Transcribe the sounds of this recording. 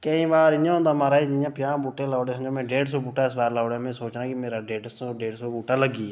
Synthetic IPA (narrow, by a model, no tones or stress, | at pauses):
kəĩːbaːɾɪjãɦõːnd̪aːmaːɾaːid͡ʒɪjãːpɪjãːbuːʈẽːlaːɽeːsənd͡ʒoːmẽːɖeːɖsoːbuːʈaːɪsbaːɾlaːoɽaːmẽːsoːt͡ʃãːkimeːɾaːɖeːɖsoɖeːɖsoːbuːʈaːləɡiː